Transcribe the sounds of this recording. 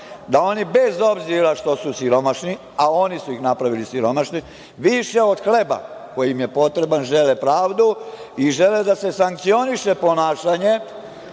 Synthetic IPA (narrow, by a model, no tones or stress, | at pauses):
d̪ao̞nibe̞zo̞bziɾaʃt̪o̞susiɾo̞maʃni | ao̞nisuixnapɾaʋilisiɾo̞maʃni | ʋiʃe̞o̞d̪̥xle̞ba̰ko̞jimje̞po̞t̪ɾe̞banʒe̞lepɾaːʋd̪uiʒe̞led̪ase̞saŋk̚t̪sio̞niʃe̞po̞naːʃaɲe̞